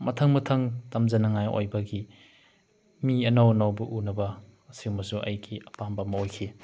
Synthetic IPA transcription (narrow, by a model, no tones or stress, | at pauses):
mɐtʰɐŋmɐtʰɐŋtɐmzɐnɐŋajo̰jbɐɡi | miɐnawɐnawbɐʔunɐbɐːsiwmɐsuʔɐ̰jɡiɐpambɐmɐojkʰi